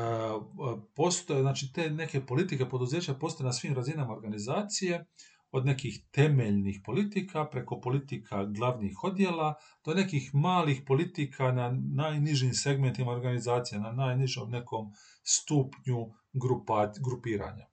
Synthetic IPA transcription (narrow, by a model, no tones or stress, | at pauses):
po̞st̪onaːt͡ʃit̪eːne̞ke̞po̞lit̪ikepo̞d̪uze̞ːt͡ɕapost̪ojnasʋiːmɾazinamaoɾɡanizaːt̪sije̞ | o̞d̪ne̞kixt̪e̞meʎnixpo̞lit̪ikʰapɾe̞ko̞po̞lit̪ikʰaɡlˠaʋnixo̞d̪je̞la | d̪̥o̞ne̞kixmaːlixpo̞lit̪ikʰananaːjniʒimse̞ɡme̞nt̪imaoɾɡanizaːt̪sijenanaːjniʒomne̞ko̞m | st̪upɲu | ɡɾupaɡɾupiːɾa̰ːɲa